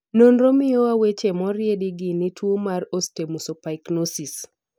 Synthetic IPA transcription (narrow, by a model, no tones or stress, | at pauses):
nonɾomɪowawet͡ʃemɔɾjediɡinɪtʰwomaɾostemusopaiknosis